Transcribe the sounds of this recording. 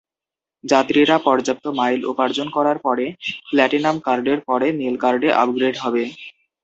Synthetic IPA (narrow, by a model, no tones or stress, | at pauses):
d͡ʑat̪ɾiɾapɔɾd͡ʑap̚t̪omajlo̰paɾd͡ʑonkɔɾaɾpɔɾeplɛʈinamkaɾɖeɾpɔɽenelkaɾɖeʔa̰p̚ɡɾeɖɦɔbe